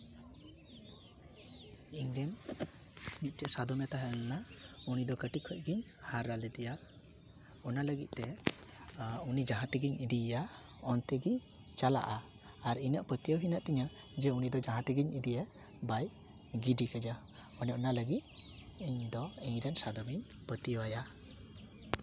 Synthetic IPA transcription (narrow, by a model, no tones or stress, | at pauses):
iŋɾɛn | nit̪̚t͡ʃɛʔsad̪ɔmɛt̪aɦɛlnaunid̪ɔkəʈikʰəc̚ɡiɲ | haɾːalɛt̪ɛja | ɔnaləɡit̪̚t̪ɛ | unid͡ʒaɦãt̪ɛɡiɲid̪ia | ɔnt̪ɛɡi | t͡ʃala̰ʔaː | ɾinəʔpət̪ijəɦinaʔt̪ɛɲa | d͡ʒɛunid̪ɔd͡ʒãɦãt̪ɛɡiɲid̪ijɛ | baj | ɡiɖikɛd͡ʒa | ɔnɔʔnaləɡit̪̚ɛɲd̪ɔɛɲɾɛnsad̪ɔmiɲ | pət̪ijwaja